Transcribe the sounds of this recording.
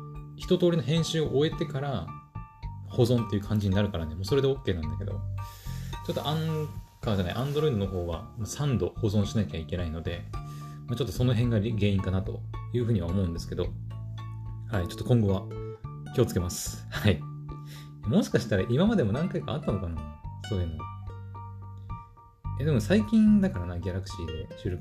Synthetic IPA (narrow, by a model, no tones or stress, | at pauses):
çi̥t̪o̞t̪oːɾʲino̞ɦẽɰ̃ɕɨːoʔoe̞t̪e̞kaɾa | ho̞zõ̞nt̪ːe̞jɯ̟kʰãɲ̟d͡ʑiɲinaɾɯ̟kaɾanemoːso̞ɾe̞d̪eo̞kːe̞ːnãnd̪ake̞d̪o̞̰ | t͡ɕo̞t̪ːoʔãŋkad͡ʑana̰ḭʔãnd̪o̞ɾoid̪onoɦo̞ːɡa̰ | masãnd̪o̞ho̞zõ̞ɰ̃ɕinakʲaikʲe̞naino̞d̪e̞ | maːt͡ɕo̞t̪ːoso̞no̞ɦẽ̞ŋɡaɡe̞ːĩŋkanat̪o̞̰jɯ̟ːɸɯ̟ːɲ̟iβaomo̞ɯ̟̃nd̪e̞sɨ̥ke̞d̪o̞̰ | hait͡ɕo̞t̪ːokõŋɡo̞βa | kʲio̞t͡sɨ̥ke̞masɨ̥ | hai | jamo̞ɕi̥kaɕi̥t̪aɾaʔimamad̪e̞mo̞nãŋkaika̰at̪ːano̞kanasoːemo̰ | ed̪emosaikʲĩnd̪akaɾanaɡʲaɾakɯ̟ɕiːd̪e̞ɕɨːɾo̞k